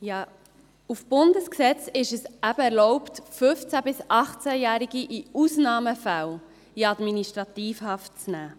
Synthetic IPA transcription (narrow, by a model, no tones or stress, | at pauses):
jɑː | ufb̥ʊndəsksɛt͡sɪʃəsæbəɛɾlɔʊptfʏft͡sæbɪsʔɑχt͡sæjæːɾiɡiʔiusnɑːməfæw | iɑd̪minisʃtɾɑtiːfhɑft̚t͡snæː